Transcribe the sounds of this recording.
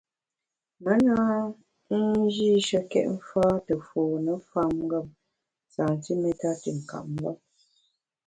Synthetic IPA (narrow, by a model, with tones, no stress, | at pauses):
mə˦na˦ | n̩˦d͡ʒi˦ʃə˦kɛ̰˦ʔm̩˦faː˦tə˨foː˨nə˨fa˦m˦ɡa˦˨p̚ | sa˨n˨ti˦me˦ta˦tə˨ŋ̩˨ka̰˨ʔm˦ɡa˦˨p̚